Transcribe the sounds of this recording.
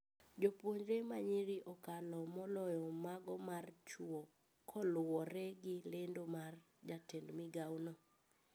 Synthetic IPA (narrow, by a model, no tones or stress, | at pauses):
d͡ʒopwoɲd͡ʒɾemaɲiɾiʔɔkalɔmɔlɔjɔmaɡɔmart͡ʃuɔ | kʰɔlwɔɾɛɡɪlendomar | d͡ʒatendmɪɡawnɔ